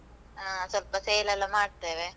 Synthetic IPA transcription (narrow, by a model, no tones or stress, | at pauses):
aːsɔlpɐsejlɐlɐmaːʈ̚t̪eʋeː